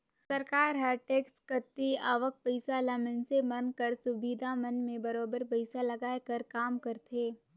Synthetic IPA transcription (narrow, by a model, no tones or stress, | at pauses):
sɐɾkaːɾɦɐɾʈeːkskət̪ːiaːʋək̚pəɪsalɐmənsemɐnkəɾsʊbiːd̪ʱamɐnmẽbɐɾoːbəɾpɐɪsalɐɡaːekɐɾkaːmkɐɾt̪ʰeː